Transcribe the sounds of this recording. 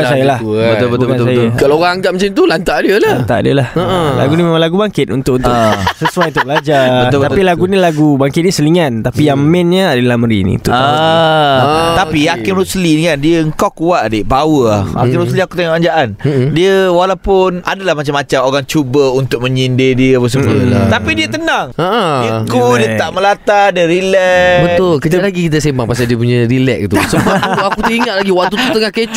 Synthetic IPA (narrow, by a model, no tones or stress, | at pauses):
əansajalabbəɡansajakalaoɣaŋaŋɡaʔmət͡ʃamt̪ulant̪aʔdiəlalant̪a̰ʔdiəlahla̰ɡunimemãnlaɡubaŋkɪt̪̚unt̪ʊkʔunt̪ʊsəsuajunt̪ʊbəlad͡ʒat̪apilaɡunilaɡubaŋkɪt̪̚nisəliŋant̪apijaŋmɛ̃nɲaadəlahməɾḭnḭ̃nt̪ʊʔa | apiakɪnɾuslidkandiəəŋkawkuaʔdeʔbawəlaa̰kɪnɾusliakut̪eŋɔʔaɲd͡ʒaʔandiəwalawpʊnadalahmat͡ʃamat͡ʃamoɾaŋt͡ʃubəunt̪ʊk̚mə̃ɲindediəapas̬əbut̪apidiət̪ənaŋəʔikudiət̪aʔməlat̪adiəɾilɛbət̪ʊlkəalaɡikit̪̬asembaŋpasaldiəp̬uɲaɾilɛk̚it̪usəbauakut̪əiŋat̪̚laɡiwak̚t̪ut̪ut̪əŋahket͡ʃ